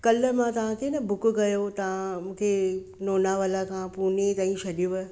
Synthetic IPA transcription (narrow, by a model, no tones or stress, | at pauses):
kɐləmãt̪ɐʋ̤ãkʰenɐbʱʊkʊkɐjot̪ɐʋ̤ãmũːkʰe | noːnaʋaːlakʰãpuːnet̪aːĩɕʰɐɗjuʋɐ